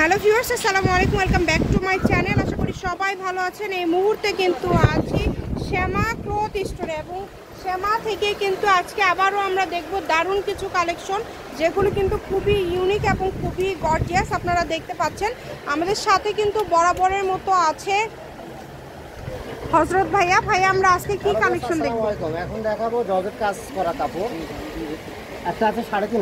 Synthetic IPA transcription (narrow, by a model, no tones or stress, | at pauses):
ɦɛlofiaɾsesalamalekumwelkambɛkʈumajt͡ɕɛnelaʃakoɾiʃɔbajbʱaloat͡ɕʰenejmuɦuɾt̪ekint̪uad͡ʑeʃemakɾot̪isʈʰoɾeboŋ | ʃemat̪ʰekejkint̪uad͡ʑkeabaɾoamɾad̪ek̚ʰbod̪aɾunkit͡ɕʰukalekʃon | d͡ʑeɡulokint̪ukʰubijunikeboŋkʰubiɡɔɾɖiasapnaɾad̪ek̚ʰt̪epatːɕʰenamad̪eɾʃat̪ʰekint̪ubɔɽabɔɾeɾmɔt̪oat͡ɕʰe | hɔsɾot̪̚bʱajabʱajamɾaad͡ʑkekikalekʃond̪ekʰbokɔmɛkʰond̪ɛkʰabod͡ʑɔbeɾkad͡ʑkɔɾat̪apo | ɛk̚ʈaat͡ɕʰeʃaɽed̪in